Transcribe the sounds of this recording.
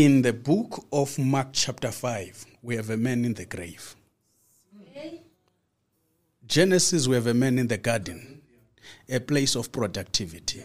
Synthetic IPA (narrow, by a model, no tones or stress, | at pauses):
ind̪əbukʰɔfmak̚t͡ʃʰap̚tʰafajv | wihɛvɛmɛnind̪əɡrejv | d͡ʒɛnɛsiswiɛvɛmɛ̃nind̪əɡadɛ̃n | ɛpʼlesɔfpʰʼrɔdak̚tʰivitʰi̥